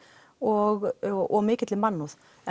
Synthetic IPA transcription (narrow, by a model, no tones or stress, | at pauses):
ɔɣɔmɪːkɪt̪lɪmɑnːuð